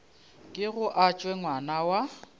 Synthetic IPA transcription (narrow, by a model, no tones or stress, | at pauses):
kʼɪɣʊʔat͡ʃʼwɛŋwanawa